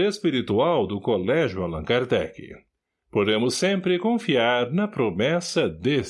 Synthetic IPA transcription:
espiɾit̪uawd̪ʊkolɛʒjʊalɐ̰̃kaɾd̪ɛ̰kɪ̰ | pod̪ẽmʊsːẽmpɾɪkõfiaɾnɐpɾomɛsɐd̪e

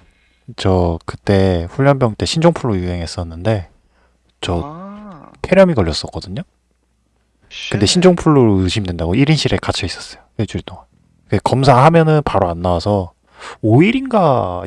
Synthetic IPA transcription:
t͡ɕʌkɯt͈e̞ɸuʎːʌmbjʌŋt͈e̞ɕʰind͡ʑoŋpʰuɭːojuɦe̞ŋɦe̞s͈ʌnːɯnde̞ | t͡ɕʌ | tʰe̞ɾjʌmikʌʎːʌs͈ʌk͈ʌdɯɲo | kɯnde̞ɕʰind͡ʑoŋpʰuɭːoɾoɯɕʰimdwe̞ndaɡoiɾinɕʰiɾekat͡ɕʰʌis͈ʌs͈ʌjowed͡ʑuɾit͈oŋan | kekʌmsʰahamjʌnɯnpaɾoanːawasʰʌ | oiɾinɡa

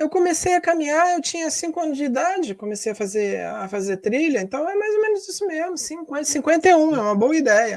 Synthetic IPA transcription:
ewkõmesejɐkɐmĩɲaɾewt͡ʃĩɲɐsĩŋkʊɐ̃nʊzd͡ʒɪid̪ad͡ʒɪkomesejɐfazeɾafazeɾt̪ɾiʎɐẽnt̪ɐ̃w̃ɛmajzomẽnʊzisʊmezmʊsĩkẽsĩkwẽnt̪eũɛũmɐboɐid̪ɛjɐ

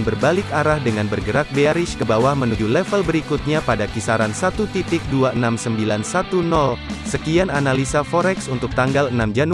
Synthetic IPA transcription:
nbərbalɪkaɾahdəŋanbərɡəɾak̚beaɾɪʃkəbawahmənud͡ʒulɛfəlbəɾikut̪̚ɲapadakisaɾansat̪ut̪it̪ɪk̚duaənamsəmbilansat̪unɔlsəkiananalisafoɾɛksunt̪ʊk̚t̪aŋɡalənamd͡ʒanu

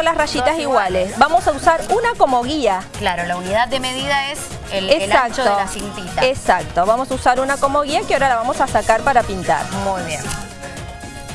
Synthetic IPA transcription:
olasraʃit̪asiɣwalesβamo̞sausaɾunako̞moɣiaklaɾolauniðaðːemeðiðaes | eleelak̚t̪oðoassimt̪it̪aesak̚t̪o̞βamosausaɾunako̞mo̞ɣiakeaoɾalaβamo̞sasakaɾpaɾapint̪a̰ɾmujβjen

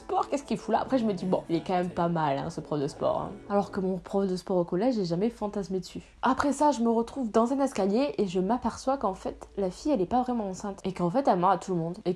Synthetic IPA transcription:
spɔʁkʲɛskʲilfula̰a̰pχɛʒəməd̪ibɔ̰̃ilɛkɑ̃mɛmpamalɛ̰̃səpχɔfd̪əspɔ̰ʁɛ̰̃alɔʁkəmɔ̃pχɔfd̪əspɔʁokɔlɛʒɛʒamɛfɑ̃t̪asmed̪əsy | apχɛsaʒəməʁət̪χuvd̪ɑ̃zɛ̃nɛskaljeʔeʒəmapɛʁswakɑ̃fɛt̪lafijɛlɛpavʁɛmɑ̃ɑ̃sɛ̃t̪ekɑ̃fɛt̪ɛlmɔʁat̪ʰuləmɔ̃d̪e

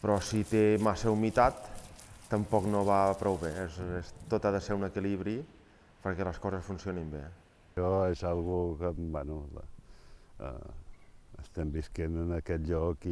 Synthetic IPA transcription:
pɾɔsit̪emasəumit̪at̪ːəmpɔknoβapɾɔwβesest̪ot̪aðəseɾunəkiliβ̞ɾi | pəɾkɛləskɔzəsfunsionimbḛ | ɔezalˠɣukəmbɛnu | ə̰ | ə̰st̪ɛmbiskenənəkɛt̪ʎɔki

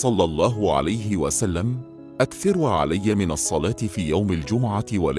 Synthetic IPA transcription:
sˤɑlːɑlˤːɑːɦʊʕa̰lajɦɪwa̰salːam | ʔakθɑɾʕa̰lajːamɪnɑsˤːɑlaːt̪ɪfiːjawmald͡ʒʊmʊʕaɪwa̰l

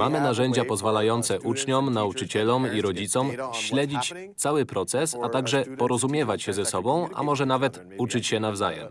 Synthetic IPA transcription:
mamɘnaʐɛɲd͡ʑapɔzvalajɔnt̪sɛʔut͡ʂɲɔmnaut͡ʂɘt͡ɕɛlɔmiɾɔd͡ʑit̪sɔmɕlɛd͡ʑit͡ɕ | t̪sawɘpɾɔt̪sɛsat̪aɡʐɛpɔɾɔzumʲjɛvat͡ɕɕɛzɛsɔbɔ̃w̃ʔa̰mɔʐɛnavɛt̪ | ut͡ʂɘt͡ɕɕɛnavzajɛ̰m

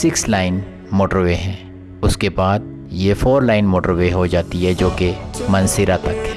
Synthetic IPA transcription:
sɪkslaːɪn | moːʈəɾʋeɦɛ̃ː | ʊskebaːd̪̚ | jefoːɾlaːɪnmoːʈəɾʋeɦod͡ʒaːt̪iɦɛd͡ʒoːkemɐ̃nsɪɾat̪ɐk

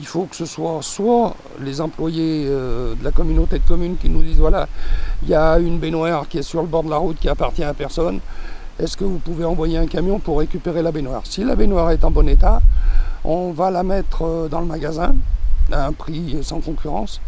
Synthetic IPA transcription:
ilfokə̥səswaswa | lezɑ̃plwajeød̪əlakɔmynot̪ed̪əkɔmynkʲinud̪izvwala̰ijaynbenwaʁkʲiɛsyʁləbɔʁd̪əlaʁut̪kʲiapaʁt̪jɛ̃apɛʁsɔn | ɛskəvupuveɑ̃vwajeɛ̃kamjɔ̃puʁːekʲypeʁelabenwaːʁsilabenwaʁɛt̪ɑ̃bɔnet̪a | ɔ̃valamɛt̪χəd̪ɑ̃ləmaɡazɛ̃aɛ̃pχisɑ̃kɔ̃kʲyʁɑ̰̃s

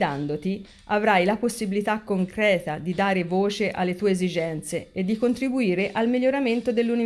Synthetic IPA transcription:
d̪and̪ot̪i | avɾajlaposːibilit̪akːoŋkɾɛːt̪ad̪id̪aːɾevoːt͡ʃeʔalːet̪uːeːzid͡ʒɛnt̪seed̪ːikont̪ɾibuiːɾeʔalmilːoɾament̪od̪elːuni

